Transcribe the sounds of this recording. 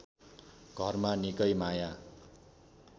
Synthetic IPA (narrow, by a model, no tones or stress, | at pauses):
ɡ̥ʱʌrmanikʌjmaja